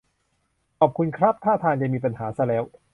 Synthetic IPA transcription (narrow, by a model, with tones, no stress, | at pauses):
kʰɔː˨˩p̚kʰu˧nkʰɾa˦˥p̚t̪ʰaː˥˩t̪ʰaː˧nt͡ɕa˨˩miː˧pa˧nhaː˩˦sa˧˩lɛː˦˥w